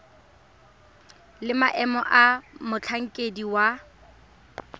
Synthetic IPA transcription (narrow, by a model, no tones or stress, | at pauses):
lɪmaʔɛmɔʔamʊt͡ɬʰaŋ̩kʼediwa